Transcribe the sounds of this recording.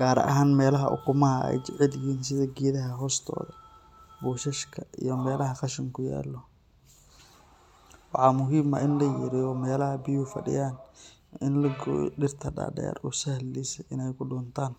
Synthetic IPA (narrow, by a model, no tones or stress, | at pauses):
ɡ̥aːɾɐ̰ʔɐ̰ɦaːnmɛːlɐɦɐʔʊ̰kʰʊmɐɐɛ̰jt͡ʃɪʕɪlɪɦiːnsɪðɐɡiːðɐɦɐɦɔːst̪ʰɔ̰ːðɐ | buːʃɐʃkʰɐʔḭjɞmɛːlɐɦɐqɑʃɪŋkʰʊja̰ːlːɔ | wɑħɑːmʊɦiːmɐʔɪnlɐjɛːɾɪjɔmɛːlɐɦɐbɪjufɐ̰ɖɪ̰jaːn | ɪnlɐɡɖɪrt̪ʰɐɖa̰ːɖɛ̰ːrʊsɐhlɛsɛjʔɪnɛjkʰʊɖɔːnt̪ʰaːn